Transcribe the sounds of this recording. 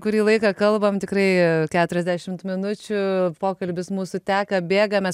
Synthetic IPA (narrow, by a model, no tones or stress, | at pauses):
kʊɾʲiːlˠɐɪkɐkɐlˠbɐmt̪ʲɪkrɐɪkʲæːt̪ʊɾʲɛzʲd̪ʲæʃʲɪmt̪mʲɪnʊt͡ʃʲʊpoːkɐlʲbʲɪsmuːsʊt̪ʲæːkɐbʲeːɡɐmʲɛs